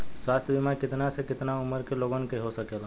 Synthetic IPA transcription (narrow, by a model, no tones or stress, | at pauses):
swaːst̪ʰjəbɪmaɾkɪt̪nasekɪt̪naʊməɾkeloːɡənkeɦosəkela